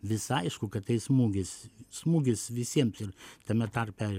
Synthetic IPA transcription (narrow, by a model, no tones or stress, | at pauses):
ʋʲɪsɐɪʃkʊkɐtt̪ɐɪsmuːɡʲɪssmuːɡʲɪsʋʲɪsʲiɛmsɪrt̪ɐmʲɛt̪ɐɾʲpʲɛ